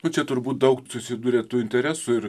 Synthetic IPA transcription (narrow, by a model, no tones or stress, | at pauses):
nʊt͡ʃʲɛt̪ʊɾbuːt̪̚d̪ɐʊksʊsʲɪd̪uːɾʲeːt̪uːɪnʲt̪ʲɛɾʲæːsʊɪɾ